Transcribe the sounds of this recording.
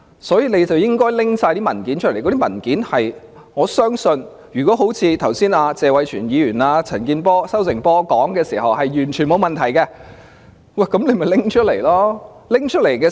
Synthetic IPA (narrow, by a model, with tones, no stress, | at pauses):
sɔː˨˥jiː˨˧ne˨˧jt͡sɐ˨wjɪ˥ŋkɔː˥jlɪ˥ŋsaː˧jt̪iː˥mɐ˨˩nki˨˥nt͡ʃʰɵ˥ljkɔ˨˧˥i˥mɐ˨˩nkiː˨˥nhɐ˨j | ŋɔː˨˧sœː˥ŋsɵ˧n | jyː˨˩kɔː˨˥ɦo˨˥wt͡sʰiː˧t̪ʰɐ˨˩wsiː˥naː˧t͡sɛː˨˧wɐ˨˧jt͡ʃʰyː˨˩njiː˨˧jyː˨˩naː˧t͡sʰɐ˨˩nkiː˧npɔː˥sɐ˥wt͡sɪ˨˩ŋpɔː˥kɔː˨˥ŋkɛː˧siː˨˩hɐ˨whɐ˨jɥyː˨˩nt͡ʃʰyː˨˩nmo˨˧wmɐ˨nt̪ʰɐ˨˩jkɛː˧ | wɐ˥˨˩kɐ˨˦˥mle˨˧jmɐ˨jlɪ˥ŋt͡ʃʰɵ˥le˨˩jlɔː˥ | lɪ˥ŋt͡ʃʰɵ˥t̚le˨˩jkɛː˧